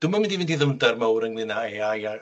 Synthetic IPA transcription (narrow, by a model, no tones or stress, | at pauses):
d̥ʊmamɪndivɛdiðəmdarmawɾəŋnɪnaaja